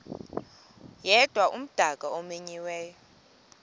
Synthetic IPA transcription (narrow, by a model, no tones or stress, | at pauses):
jɛd̥ʱwaʔum̩d̥ʱakʼaɔmeɲiwɛːjɔ